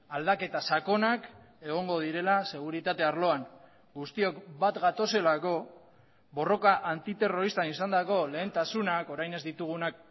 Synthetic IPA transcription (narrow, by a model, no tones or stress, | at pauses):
ald̪ake̞t̪asako̞nak | e̞ɣ̞o̞ŋɡo̞ð̞iɾe̞lase̞ɣ̞uɾit̪at̪e̞aɾlo̞aŋ | ɡust̪io̞kbat̪ɡat̪o̞se̞lako̞ | bo̞ro̞kaʔant̪it̪e̞ro̞ɾist̪anisand̪ako̞le̞ːnt̪asunako̞ɾajne̞zd̪it̪uɣ̞unak̚